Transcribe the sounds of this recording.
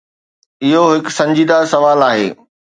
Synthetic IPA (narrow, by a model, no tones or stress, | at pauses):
ɪɦoɦɪksɐ̃ɲd͡ʑiːd̪asɐʋaːlaːɦḛː